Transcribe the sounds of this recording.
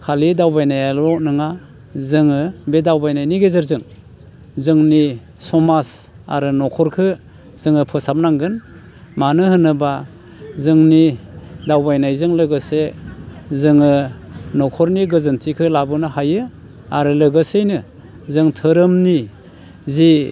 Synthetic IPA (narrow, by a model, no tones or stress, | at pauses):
kʰalidawbajnajalɔʔ̚nɯŋa | zɯŋɯbedawbajnajniɡezaɾzɯŋ | zɯŋni | sɔmas | a̰ɾɯnɔkʰɔɾkʰɯ | z̥ɯŋɯpʰɯsap̚naŋɡɯn | manɯhɯnɯba | zɯŋnidawbajnajzɯŋlɯɡɯse | zɯŋɯnɔkʰɔɾniɡɯzɯntʰikʰɯlabɯnɯhajɯ | aɾɯlɯɡɯsejnɯ | zɯŋtʰɯɾɯmni | zi